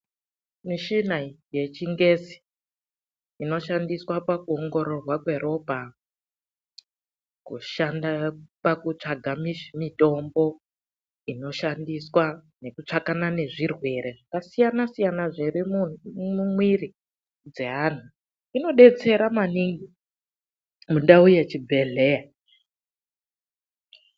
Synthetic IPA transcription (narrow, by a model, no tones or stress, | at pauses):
miʃinaje̞t͡ʃiŋɡe̞si̥ | ino̞ʃandiswapakuoŋɡo̞ɾo̞rwakwe̞ɾo̞bʱa | kṵʃandapakut͡ʂaɡʱamimito̞mbo̞ | ino̞ʃandiswa | ne̞kut͡ʂakanane̞ʐirwe̞ɾeʐakasijanasijanaʐirimumumwiri | d͡ze̞ɦan̤u | ino̞ɗe̞t͡se̞ɾamaniŋɡi | mundaujet͡ʃibʱe̞ɮe̞ja